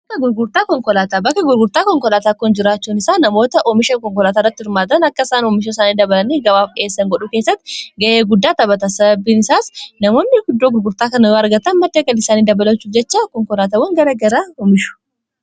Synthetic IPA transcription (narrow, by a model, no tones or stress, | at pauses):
bbɐkːɐɡʊɾɡʊɾt̪aːkɔŋkɔlaːt̪aːbɐkːɐɡʊɾɡʊɾt̪aːkɔŋkɔlaːt̪aːkːɔnd͡ʒɪɾaːt͡ʃːuːnɪsaːnɐmo̞ːt̪ɐʔɔmɪʃɐnkɔŋkɔlaːt̪aːrːɐt̪ːɪhɪɾmaːd̪ɐnɐkːɐɪsaːnɔːmɪʃoɪsaːniːd̪ɐbɐlɐniːɡɐbaːfkɪeːsːɐŋɡɔᶑʊkeːsːɐt̪ːɪɡɐʔeːɡʊd̪ːaːt̪ɐbɐt̪ɐsɐbɐbːiːnɪsaːsnɐmo̞ːnːɪɡʊd̪ːoːɡʊɾɡʊɾt̪aːkɐnɐoːɐɾɡɐt̪ɐnmɐd̪ːeːɡɐlɪsaːniːd̪ɐbɐlɐt͡ʃːuːd͡ʒɛt͡ʃːaːkɔŋkɔlaːt̪aːwɐŋɡɐɾɐɡɐɾaːɔmɪʃʊ̥